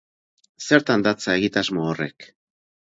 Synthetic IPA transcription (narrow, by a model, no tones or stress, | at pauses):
se̞ɾt̪and̪at͡sae̞ɣit̪azmoore̞̰k